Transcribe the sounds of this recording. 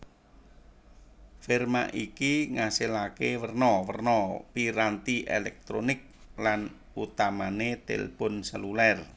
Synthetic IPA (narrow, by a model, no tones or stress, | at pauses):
firma̰ʔikiŋaselakewərnɔwərnɔpiɾant̪iʔelɛk̚t̪ɾonɪk̚ | lan | ut̪amanet̪ḛlpʊnsəlulɛr